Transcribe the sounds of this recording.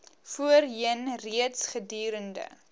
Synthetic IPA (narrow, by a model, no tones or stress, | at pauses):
fuərɦiənriətsχədyːɾəndə̰